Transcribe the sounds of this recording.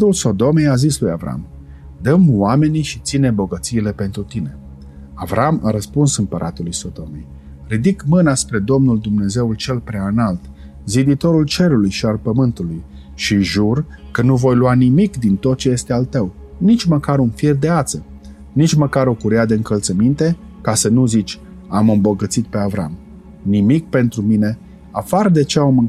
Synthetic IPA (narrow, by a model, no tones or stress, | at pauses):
t̪ulso̞d̪o̞me̞jazisluja̰vɾa̰m | d̪əmwame̞niʃit̪sinebo̞ɡət̪siːle̞pe̞nt̪ɾut̪ine̞ | avɾama̰ɾəspunsɨmpəɾʔa̰t̪ulujso̞d̪o̞mḛj | rid̪ikmɨnaspɾe̞d̪o̞mnuld̪umne̞ze̞ult͡ʃe̞lpɾeaɨnalt̪ | zid̪it̪o̞ɾult͡ʃe̞ɾulujʃialpəmɨnt̪uluj | ʃiʒurkənuvo̞jluanimikd̪int̪o̞t̪̚t͡ʃe̞je̞st̪ealt̪əw | nit͡ʃʲməkaɾunfird̪e̞at̪sə | nit͡ʃməkaɾo̞kuɾead̪e̞ɨŋkəlt̪səmint̪e̞ | kasənuzit͡ʃʲ | amɨmbo̞ɡət̪sit̪̚pe̞avɾa̰m | nimik̚pe̞nt̪ɾumine̞ | apard̪e̞t͡ʃeamɨ